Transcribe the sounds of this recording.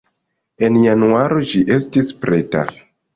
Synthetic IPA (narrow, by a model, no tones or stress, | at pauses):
e̞njanuaɾo̞ʃiʔe̞stispɾʔe̞ta̰